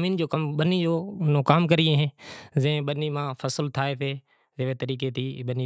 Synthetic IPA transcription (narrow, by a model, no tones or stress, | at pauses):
miːnd͡ʑoːkɐmɓɐnid͡ʑoːnʊkaːmkɐɾiẽɦẽzɐ̃ɦẽɓɐnimãːfɐsɪlt̪ʰaːepʰeː | zeːʋet̪ɐɾiːket̪ʰiːɓɐni